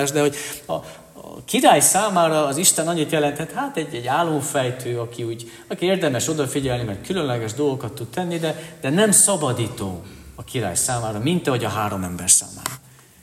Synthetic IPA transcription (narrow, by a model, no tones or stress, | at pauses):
aʒd̪ɛɦo̞ɟɒ̰ | kiɾaːjsaːmaːɾɒːziʃt̪ɛnɒɲːit̪jɛlɛnt̪ɛt̪haːt̪ɛɟːɛɟːaːlːo̞ɱfɛjt̪ʰøːɒkiuːɟ | ɒkieːrd̪ɛmɛʃo̞d̪ɒfiɟɛlnimɛrt̪̚kylø̞nlɛɡɛʒd̪o̞lɡokɒt̪ːut̪t̪ɛnːid̪ɛd̪̥ɛnɛmsɒbɒd̪iːt̪oːɒkiɾa̰ːjsaːmaːɾɒmint̪ɒɦo̞ɟɒɦaːɾo̞mɛmbɛrsa̰ːma̰ːɾɒ